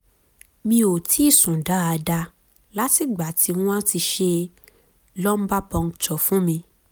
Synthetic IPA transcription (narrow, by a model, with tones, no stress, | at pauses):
mĩ˧˦o˨tʰi˨˦i˦˨sũ˨da˨˦a˧da˧ | la˦ti˦˨ɡ͡ba˨tʰi˧˦nũ˦ã˦ti˧ʃe˧ | lɔ˦m̩˦ba˦pɔ̃˧ŋ˨t͡ʃɔ˨fũ˦mĩ˧